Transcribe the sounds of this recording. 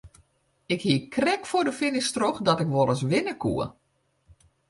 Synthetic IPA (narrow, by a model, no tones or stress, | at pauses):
ɪkhiəkrɛkfʊdəfɪnɪstroxdɔtɪkʋɔləsʋɪnəkʰṵə